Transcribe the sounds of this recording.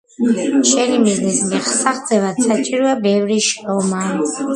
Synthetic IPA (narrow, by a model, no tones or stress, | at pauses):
ʃɛnimiznɛsmɛχsaχd̪zɛvad̪̥sat͡ʃʼiɾɔabɛvɾiʃɾɔma